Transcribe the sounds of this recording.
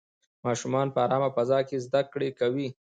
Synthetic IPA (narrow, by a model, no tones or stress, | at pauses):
mɑʃumɑnpəaɾɑmafazɑkezd̪akɽekawi